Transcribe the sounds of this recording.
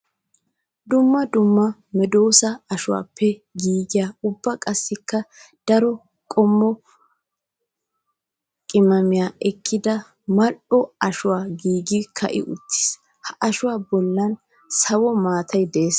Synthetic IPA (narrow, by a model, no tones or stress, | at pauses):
d̪ʊmːɐd̪ʊmːɐmɛd̪o̞ːsɐɐʃʊwa̰ːpʰːɛɡiːɡɪjaːʊbːɐkʼɐsːɪkːɐ | d̪̥ɐɾɔ | kʼɔmːɔ | kʼɪmɐmɪjaːʔɛkʰːɪd̪ɐ | mɐʔɔɐʃʊwaːɡiːɡɪkʰɐ̰ʔɪ̰ʔʊt̪ːɪ̥s | hɐʔɐʃʊwaːbɔlːɐn | sɐwɔmaːt̪ʰɐjd̪ɛeːs